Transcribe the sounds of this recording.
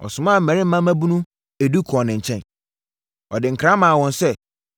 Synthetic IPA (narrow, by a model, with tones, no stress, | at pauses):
ɔ̰˨sʊ̃˨mã˦˨m̩˨ɛ̃˨ɾɪ̃˦m̩˦mã˦mæ̃˦bu˦nũ˦ | e˨du˦kʰɔ˨nɪ̃˨ɲ̩˨t͡ɕʰɛ̃˦n | ɔ˨dɪ˨ŋ̩˨kʰɾã˦mã˨a˨wɔ̃˨nsɛ˦